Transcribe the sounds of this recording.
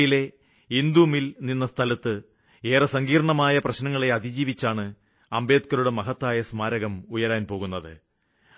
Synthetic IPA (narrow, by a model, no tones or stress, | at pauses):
jile̞ | ind̪umilninːɐst̪ʰɐlɐt̪ːɨ | e̞ːrɐsɐŋɡiːɾɐɳɐmaːjɐprɐɕnɐŋːɐɭe̞ɐd̪id͡ʑiːʋit͡ɕːaːɳɨ | ɐmbe̞ːd̪̚kɐɾuɽemɐɦɐt̪ːaːjɐsmaːɾɐɣɐmujɐɾaːnpo̞ːɣunːɐðɨ̰